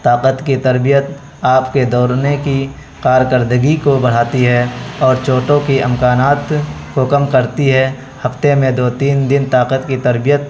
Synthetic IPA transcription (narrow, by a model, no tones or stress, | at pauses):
t̪aːqət̪kit̪ɐɾbijət̪ | aːpked̪ɔːɾneki | kaːɾkəɾd̪əɡikobəɽ̤aːt̪iɦɛɔːɾt͡ʃoːʈõkiʔɪmkaːnaːt̪kokɐmkəɾt̪iɦɛ | hɐft̪emẽd̪oːt̪iːnd̪ɪnt̪aːqət̪kit̪ɐɾbɪjət̪̚